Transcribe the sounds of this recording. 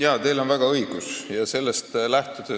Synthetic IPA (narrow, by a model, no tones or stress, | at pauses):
jɑːt̪e̞lo̞nvæɡ̥ɑɤiɡ̥usjɑse̞lːest̪læht̪ud̪̥e